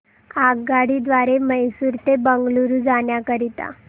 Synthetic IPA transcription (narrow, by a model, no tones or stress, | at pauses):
aɡɡaɽid̪ʋaɾeməjsuɾt̪ebəŋɡluɾud͡zaɳjakəɾit̪a̰